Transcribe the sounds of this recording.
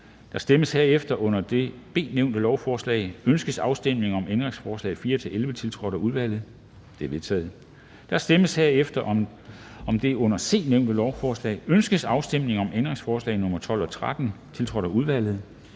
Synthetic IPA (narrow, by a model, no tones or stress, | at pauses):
d̥ɑ̈sd̥eməsheɐefd̥ɐʔɔ̽n̰ɐd̥e̝b̥e̝̰ːneʊnd̥əlɒʊfɒːslɛ̰ɪønsɡ̥əsɑ̈ʊsd̥em̰ne̝ŋɒ̽mend̥ʁeŋsfɒːslɛ̰ːɪfiːɐt͡sʰe̝lelʋət͡sʰe̝lt͡sʰʁɒ̽ɾ̥ɐuð̞ˠʋæl̰ð̩ˠ | d̥e̝ɐʋe̝ðˠt͡sʰɛ̰ːð̩ˠ | d̥ɑ̈sd̥eməsheɐefd̥ɐʔɒ̽m | ɒ̽md̥e̝ɔ̽n̰ɐse̝̰ːneʊ̰nd̥əlɒʊfɒːslɛ̰ːɪønsɡ̥əsɑ̈ʊsd̥em̰ne̝ŋɒ̽mend̥ʁeŋsfɒːslɛ̰ɪnɔ̽mɐt͡sʰɒ̽l̰ɒ̽t͡sʰʁad̥n̩t͡sʰe̝lt͡sʰʁɒ̽ɾ̥ɐuð̞ˠʋæl̰ð̞̩ˠ